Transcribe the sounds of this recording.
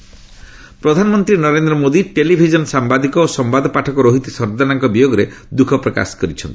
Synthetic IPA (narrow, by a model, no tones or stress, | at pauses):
pɾɔd̪ʱanɔmɔnt̪ɾinɔɾend̪ɾɔmod̪iʈelibʱid͡ʒɔnsambad̪ikɔosɔmbad̪ʱɔpaʈʰɔkɔɾoɦit̪isɔɾd̪anaŋkɔbijoɡɔɾe | d̪ukʰɔpɾɔka̰skɔɾit͡ʃʰɔnt̪i̥